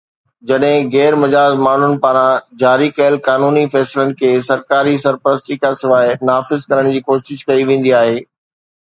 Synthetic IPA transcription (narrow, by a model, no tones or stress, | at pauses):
d͡ʑɐɗɦɪ̃ɣɛːɾmɐd͡ʑaːzmaːɳ̤ʊnɪ̆paːɾãd͡ʑaːɾikɐjəlkaːnuːnifɛːsɪlənɪ̆kʰeːsɐɾkaːɾisɐɾpəɾəst̪ikasɪʋaːɪnaːfɪzkɐɾəɽ̃d͡ʑiːkoːʃɪʃkɐiʋẽːn̆d̪iaːɦeː